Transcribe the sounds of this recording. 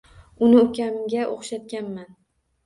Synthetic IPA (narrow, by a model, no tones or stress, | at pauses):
ʊnɪʊkʲʰamɡʲaʔoχʃat̪̚kʲanman